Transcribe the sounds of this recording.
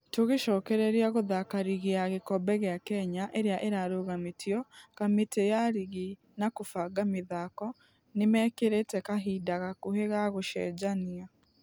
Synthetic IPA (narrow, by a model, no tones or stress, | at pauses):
toɣeʃɔkɛɾɛɾiaɣoðakaɾiɣiaɣekɔbɛɣeakɛɲaʔeɾeaʔeɾaɾoɣametiɔkametejaɾiɣi | nakofaɡamiðakɔ | nemɛkeɾetɛkaɦiːdaɣakoheɣaɣoʃɛ̰d͡ʒania